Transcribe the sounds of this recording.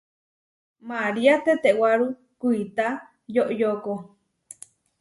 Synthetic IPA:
maɾiat̪et̪eʔwaɾu | kuit̪a | joʔjoko

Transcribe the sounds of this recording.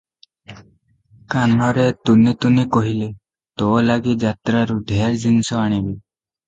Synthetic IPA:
kanɔɾet̪unit̪unekɔɦile | t̪ɔlaɡid͡ʒat̪ɾaɾuɖʱeɾd͡ʒinisɔaɽ̃ibi

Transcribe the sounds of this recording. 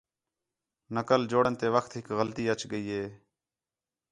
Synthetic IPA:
nəkəld͡ʒoːɽənt̪eːʋəkʰt̪ɦɪkɣəlt̪iːət͡ʃɡəiːɦeː

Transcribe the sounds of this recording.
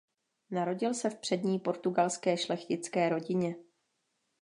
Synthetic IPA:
naɾo̞ɟɪlsɛfpr̥ɛdɲiːpo̞ɾt̪uɡalskɛːʃlɛxcɪt͡skɛːɾo̞ɟɪɲɛ

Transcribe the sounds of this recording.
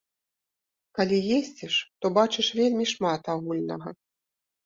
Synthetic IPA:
kalʲijesʲd͡zʲɛʂt̪ɔbat͡ʂɨʂvʲelʲmʲiʂmat̪aɣulʲnɐɣɐ

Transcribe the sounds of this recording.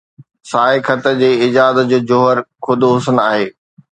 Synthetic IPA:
saːɦɪkʰɐt̪əd͡ʑeːɪd͡ʑaːd̪əd͡ʑoːd͡ʑoɦəɾkʰʊd̪ɦʊsənaːɦeː

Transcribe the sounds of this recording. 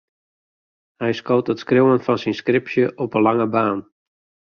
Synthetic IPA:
hɛjskowtətskrowənfɑnsɛnskrɪpsjəʔɔpənlaŋəbaːn

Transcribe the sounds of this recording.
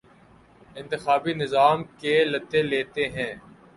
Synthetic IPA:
ɪ̃nt̪ɪxaːbinɪzaːmkelɐt̪ːeleːt̪eɦɛ̃ː

